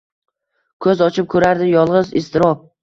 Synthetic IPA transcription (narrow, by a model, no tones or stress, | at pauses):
kʰɵzɒt͡ʃʰɪp̚kʰɵɾaɾd̪ɪjɒlˠʁɨzɪst̪ʰɪɾɒp̚